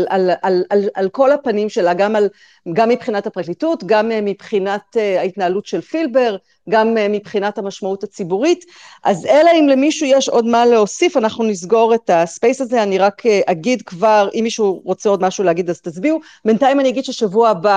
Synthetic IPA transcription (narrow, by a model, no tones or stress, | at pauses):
alalalalko̞lapanimʃe̞laɡamal | ɡamːipχinathapʁaklitutɡammipχinateaitnaːlutʃe̞lfilbe̞ʁ | ɡammːipχinathamaʃmautat͡sibuʁit | ʔazelaimlemiʃujeʃo̞dmaleo̞sifanaχnunizɡo̞ʁe̞taspejsazeaniʁakʰeʔaɡidkvaʁʔimːiʃuʁo̞t͡seo̞dmaʃuleaɡidaztazbiu | bentajimaniaɡidʃeʃavuaba